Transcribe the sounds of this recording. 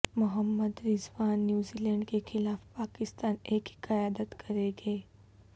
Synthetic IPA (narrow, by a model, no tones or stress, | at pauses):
mʊɦəmːəd̪ɾɪzʋaːnːjuːzilɛ̃ːɳɖkexʰɪlaːfpaːkɪst̪aːneːkikɐjaːd̪ət̪kʰɐɾeːɡeː